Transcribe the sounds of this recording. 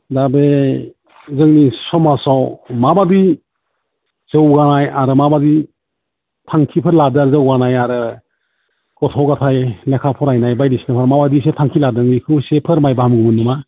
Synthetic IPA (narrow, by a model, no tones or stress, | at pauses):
dabe | zɯŋnisɔmasawmabadi | z̥ɯwɡanajaɾɯmabadi | tʰaŋkʰipʰɯɾladaɾzɯwɡanajaɾɯ | ɡ̥ɔtʰɔɡatʰajlekʰapʰɔɾajnajbajdisnɯpʰaɾmabadisetʰaŋkʰiladɯŋikʰɯwsepʰɯɾmajbamɡumɯnːɯma